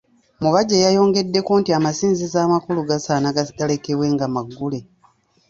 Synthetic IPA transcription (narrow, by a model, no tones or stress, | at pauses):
muβaɟejajo̞ːŋɡe̞dːe̞koːntiamasiːnzizaːmakuluɡasaːnaɡɡale̞ke̞βwe̞ŋɡamaɡːule̞